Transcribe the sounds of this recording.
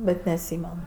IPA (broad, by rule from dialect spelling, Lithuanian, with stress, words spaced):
ˈbʲɛt nʲɛɐtʲˈsʲiːmʲɛn